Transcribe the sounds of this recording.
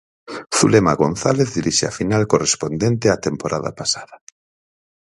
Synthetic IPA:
θulemaɣonθaleθðiɾiʃea̰finalkorespond̪ent̪eat̪empoɾʔaða̰pasaða

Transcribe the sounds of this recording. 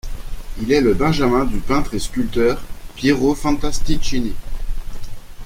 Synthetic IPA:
ilɛləbɛ̃ʒamɛ̃d̪ypɛ̃t̪χeskʲylt̪œʁpjeʁofɑ̃t̪ast̪ikʃine

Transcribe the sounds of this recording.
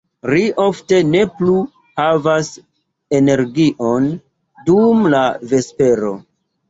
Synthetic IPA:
liʔo̞fte̞ne̞plu | havas | e̞ne̞ɾɡiʔo̞n | dumlave̞spe̞ɾo̞̰

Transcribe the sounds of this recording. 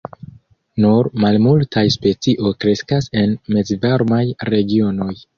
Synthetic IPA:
nuɾmalmultʰajspe̞t͡siʔo̞jkɾe̞skase̞nme̞zvaɾmajɾe̞ɡio̞no̞j

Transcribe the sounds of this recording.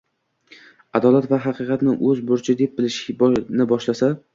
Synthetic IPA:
ad̪ɒlat̪vaɦɑqɨqɑt̪nɪʔɵzbʊɾt͡ʃʰɪd̪e̞p̚bɪlɪʃnɪbɒʃlasa

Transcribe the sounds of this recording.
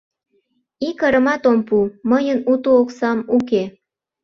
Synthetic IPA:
ikəɾə̆mɑt̪ompuməjənut̪ooksɑmuk̬e

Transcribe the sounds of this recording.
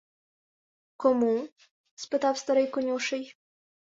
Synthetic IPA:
kɔmu | spɨt̪awst̪ɐɾɪjkʊnʲuʃɪj

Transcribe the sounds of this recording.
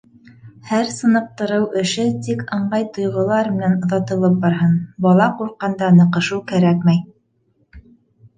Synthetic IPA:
hæɾsɤ̆nɤ̆q̚t̪ɤ̆ɾɤwʔɘ̆ʃɘt̪ikɤɴɢɑjt̪ŏjʁŏlˠɑɾmɘ̆nænŏðɑt̪ɤ̆lˠɤp̚bɑɾɦɤnbɑlˠɑquɾqːɑnd̪ɑnɤ̆qɤ̆ʃɤwkæɾækmæj

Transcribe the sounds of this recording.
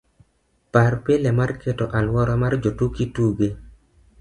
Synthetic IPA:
parpelemarkʰetɔʔalwɔɾɔmard͡ʒotukituɡe

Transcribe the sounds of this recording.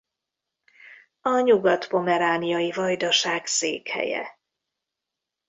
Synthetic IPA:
ɒɲuɡɒt̪po̞mɛɾaːnijɒjivɒjd̪ɒʃaːɡsḛːkhɛ̰jɛ̰

